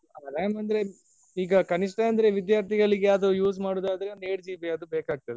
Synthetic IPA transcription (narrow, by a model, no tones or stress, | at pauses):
aɾaːjmɐnd̪ɐɾe̞ | iːɡɐkɐniʂʈeɐnd̪ɐɾeʋid̪jaːɾt̪ʰiɡɐɭiɡeaːd̪ujuːsmaːɽoːd̪aːd̪ɐɾeneːɽd͡ʒiːʋiɐd̪ubeːkaːɡ̚t̪ɐd̪e